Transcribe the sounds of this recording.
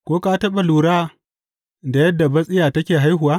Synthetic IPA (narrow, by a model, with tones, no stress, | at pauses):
kʷoː˦kaː˦tɐ˦ɓa˨luː˨ɽaː˦ | da˨jɐ˦dːa˨bɐ˦sʼɪ˦jaː˨tɐ˦kʲeː˨ɦa˦jɦʊ˨waː˦